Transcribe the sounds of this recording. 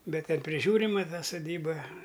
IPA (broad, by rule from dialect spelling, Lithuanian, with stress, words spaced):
ˈbʲɛt ˈtʲɛn pʲrʲɪˈʒʲuːrʲɪmɐ tɐ sʊˈdʲiːbɐ